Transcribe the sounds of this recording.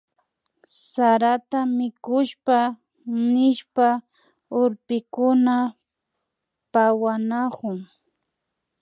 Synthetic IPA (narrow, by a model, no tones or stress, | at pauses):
saɾat̪amɪkʊʃpa | nɪʃpa | ʊɾpɪkʊna | pawanakʊŋ